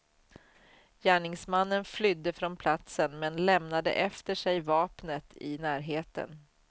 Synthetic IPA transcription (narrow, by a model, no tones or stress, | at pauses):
jæːɳɪŋsmanːənflʏd̪ːəfɾɔnpʰlat̪sənmɛnlɛmnad̪ə̰ʔɛft̪əʂɛjvɑːpnət̪ʰɪnæːɾɦeːt̪ə̰n